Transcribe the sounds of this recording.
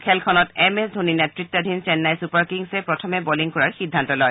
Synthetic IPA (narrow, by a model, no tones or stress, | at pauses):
kʰɛlkʰɔnɔtɛmɛsdʱoninɛtɹit̪ːɔd̪ʱint͡ʃɛnːajsupaɹkiŋsɛpɹɔtʰɔmɛbɔliŋkɔɹaɹxidʱːantɔlɔj